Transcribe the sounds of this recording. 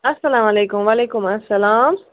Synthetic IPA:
asalaːmalekʊmwaːlekʊmasalaːm

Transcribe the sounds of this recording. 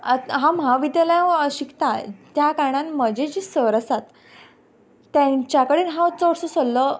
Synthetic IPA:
ɦãmɦaʋid̪jaljãɕikt̪at̪jakaɽ̃ãnməd͡ʑed͡ʑisəɾəsat̪ | jãɲt͡ɕakəɽiːnɦãt͡sɔʋəɽsɔsolːə

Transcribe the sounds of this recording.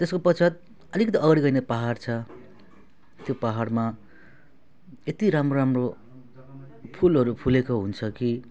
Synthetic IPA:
t̪eskopʌt͡sʰʌt̪̚ | ʌlikʌt̪̬iʔʌɡʌɽiɡʌjnepaɦart͡sʰʌ | t̪jopaɦarma | et̪iɾamroramro | pʰulɦʌɾupʰulekoɦunt͡sʰʌki

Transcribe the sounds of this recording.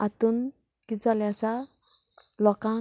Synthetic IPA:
at̪un | kid͡zaljat͡sa | lɔkã

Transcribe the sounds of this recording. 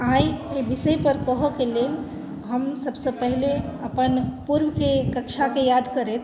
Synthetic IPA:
ajebisəjpəɾkəɦəkelel | ɦəmsəbsəpəɦileəpənpuɾwkekəkt͡ʃʰakejad̪kəɾɛt̪ʰ

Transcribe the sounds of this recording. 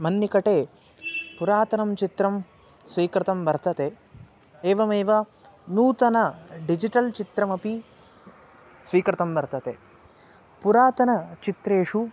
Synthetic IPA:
mɐnːikɐʈeː | puɾaːt̪ɐnɐmt͡ʃit̪ɾɐm | sʋiːkɾɐt̪ɐmbɐɾt̪ɐt̪e | eːʋɐmeːʋɐ | nuːt̪ɐnɐɖid͡ʒiʈɐlt͡ʃit̪ɾɐmɐpi | sʋiːkɾɐt̪ɐmbɐɾt̪ɐt̪e | puɾaːt̪ɐnɐt͡ʃit̪ɾeːʂu

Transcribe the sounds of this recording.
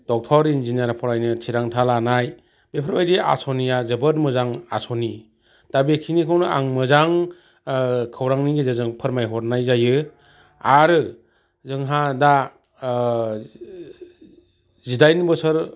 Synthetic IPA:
d̥ɔk̚tʰɔɾinzinaɾapʰɔɾajnɯtʰiɾaŋtʰalanaj | bepʰɯɾmajdia̰sɔnijazɯbɯɾmɯzaŋa̰sɔni | d̥abekʰinikʰawnɯa̰ŋmɯzaŋ | kʰɯwɾaŋniɡezazɯŋpʰɯɾmajɦɔɾnajzajɯ | aɾɯ | zɯŋɦada | zidajnbɯsɯɾ

